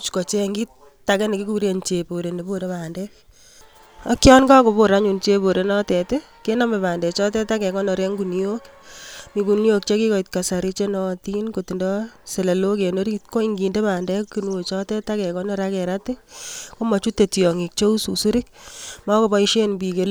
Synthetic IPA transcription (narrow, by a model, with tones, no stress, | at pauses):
t͡ʃko˨t͡ʃeŋɡi˦t | tːa˨kɛ˦ni˨ki˦ku˦ɾe˨nt͡ʃe˨po˨ɾe˨ne˨bo˦˨de˦pa˨ndɛk | a̰˦kjɔ˦nka˦ko˨po˨ɾa˦ɲu˨nt͡ʃe˧po˨ɾe˨nɔ˦tɛtɪ˦ | ke˦na˦mɛ˨paː˨ndɛ˨t͡ʃɔ˦tɛ˦ta˦kɛ˨kɔ˦nɔ˨ɾe˦ŋɡu˨njo˦k | mi˨ku˨njo˦k̚t͡ʃe˦ki˦kɔ˨i˨t̚ka˨sa˨ɾi˦t͡ʃe˦nɔ˨ti˦nko˨ti˨ndɔ˦se˨le˨lo˦ke˨no˦ɾi˦t̚ko˦i˦ŋɡi˨nde˦pa˨ndɛ˦kkːi˦nu˦o˨t͡ʃɔ˦tɛ˦ta˦kɛ˨kɔ˦nɔ˦ɾakɛ˨ɾa˦tɪ˦ko˦mɔ˨t͡ʃu˦tːe˨tjɔ˨ŋi˨k̚t͡ʃo˦u˦susu˦ɾɪ˦k̚mɔ˦ko˨bɔ˦iʃe˦nbi˨ke˦l